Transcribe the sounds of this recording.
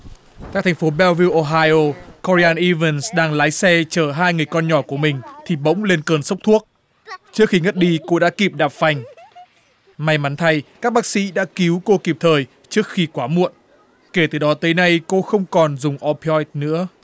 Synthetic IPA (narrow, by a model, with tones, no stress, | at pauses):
kaː˦˥k̚t̪ʰŋ̟fo˨˦ɓɛ˧wvi˧wʔo˧ɦaː˧jʔo˧kɔ˧ɾi˧aː˧nʔi˧və˧nsɗaː˧ŋlaː˨˦jsɛ˧t͡ɕəː˧˩ɦaː˧jŋɨ˨˩əjkɔ˧nɲɔ˧˩ku˧˩əmï˨˩ŋ̟t̪ʰi˨˩ɓə̰˧˥wŋ͡mle˧nkəː˨˧˩nsə˦˥wk͡p̚t̪ʰu˦˥ək̚ | t͡ɕɨ˦˥ək̚xi˧ŋə˦˥t̚ɗi˧ko˧ɗa̰ː˧˥ki˨˩p̚ɗaː˨˩p̚fa˨˩jŋ̟ | ma˨˧jma˨˦nt̪ʰa˧jkaː˦˥k̚ɓaː˦˥k̚sḭ˧˥ɗa̰ː˧˥ki˨˦wko˧ki˨˩p̚t̪ʰəː˨˩j | t͡ɕɨ˦˥ək̚xi˧kwaː˨˦mṵ˧˨ən | ke˧˩t̪ɨ˨˩ɗɔ˨˦t̪əː˨˦jna˧jko˧xə˧wŋ͡mkɔ˨˩nzʊ˨˩ŋ͡mʔɔ˧pɔ˧˥jt̪̚nɨ̰˧˥ə